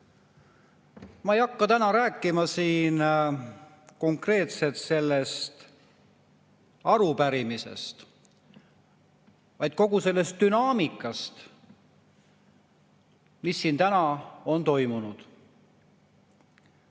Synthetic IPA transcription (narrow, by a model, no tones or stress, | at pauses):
mɑejɑkːɑt̪ænɑɾæːkːˑimɑsiːn | ko̞ŋkre̞ːt̪se̞t̪se̞lːe̞st̪ | ɑɾupæɾimise̞̰st̪ | vɑjd̪̥̚ko̞ɡ̥use̞lːe̞st̪̚d̪ynɑːmikːˑɑst̪ | misːiːnt̪ænɑo̞nt̪o̞jmunud̪̥